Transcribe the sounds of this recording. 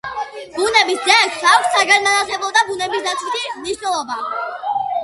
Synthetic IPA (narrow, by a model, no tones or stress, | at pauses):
b̥unɛbisd̪zɛkʰsakʰʷssːaɡanmanaχɛbɔd̪abunɛbisd̪at̪sʰwit̪ʰimniʃnɛlˠɔba